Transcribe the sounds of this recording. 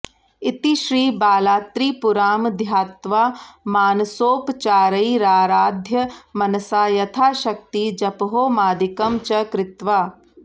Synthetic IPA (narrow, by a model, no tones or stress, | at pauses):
it̪iʃɾiːbaːlaːt̪ɾiːpuɾaːmd̪ʱjaːt̪ʋaːmaːnsoːpt͡ʃaːɾɐiɾaːɾaːd̪ʱjɐmɐnɐsaːjɐt̪ʰaːʃɐk̚t̪id͡ʒɐpɦoːmaːd̪ikɐmt͡ʃɐkɾɪt̪ʋaː